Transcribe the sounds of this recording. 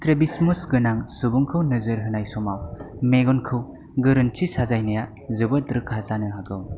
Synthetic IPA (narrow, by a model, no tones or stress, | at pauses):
tɾebismusɡɯnaŋsubuŋkʰɯwnɯzɯɾɦɯnajsɔmawmeɡɔnkʰɯw | ɡɯɾɯnt͡ʃʰisazajnaja | zɯbɯt̚ɾɯkʰazanɯɦaɡɯw